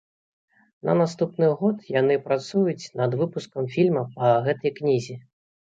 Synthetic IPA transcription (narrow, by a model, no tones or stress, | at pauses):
nɐ̰nast̪upnɨɣɔt̪janɨpɾat̪sujut͡sʲnɐd̪vɨpuskɐmfʲilʲmɐpɐɣɛt̪ɐjknʲizʲi